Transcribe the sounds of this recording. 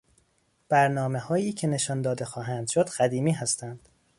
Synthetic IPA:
b̥æɾnɒːme̞hɒːiːcʰene̞ʃɒnd̪ɒːd̪e̞xɒːɦænd̪̥ʃod̪̥ɢæd̪iːmiːɦæst̪ʰænd̪̥

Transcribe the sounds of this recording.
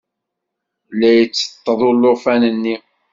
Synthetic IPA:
læjət͡sːə̥t̪ˤːəðˤʊlːofænənːi

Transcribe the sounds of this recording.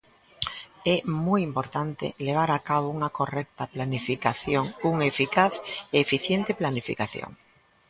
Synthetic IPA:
ɛmujimpoɾt̪ant̪ḛleβ̞aɾakaβ̞ouŋakorɛk̚t̪aplanifikaθjoŋuŋefikaθeːfiθjɛnt̪eplanifḭkaθjo̰ŋ

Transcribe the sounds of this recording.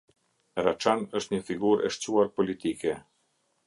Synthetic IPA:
ɾat͡ʃanəʃt̪ɲəfiɡuɾʔɛ̰ʃt͡ɕuaɾpɔlit̪ikɛ

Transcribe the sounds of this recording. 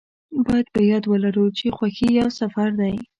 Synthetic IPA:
bɑjad̪̚bəjɑd̪wəlaɾut͡ʃexwaxijawsafaɾnaj

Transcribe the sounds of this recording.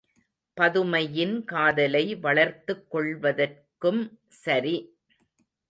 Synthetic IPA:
pɐðɯmɐjɪnkaːðɐlɐɪʋɐɭɐɾt̪ːɯkːɔɭʋɐðɐrkɯm | sɐɾi

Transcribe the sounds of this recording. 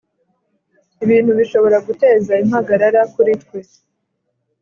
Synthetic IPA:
iβiːnhuβiʃo̞βo̞ɾaɡute̞ːzaimhaɡaɾaɾakuɾitkwe̞

